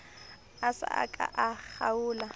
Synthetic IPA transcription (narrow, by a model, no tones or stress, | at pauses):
asa̰a̰kʼaʔak͡xauːla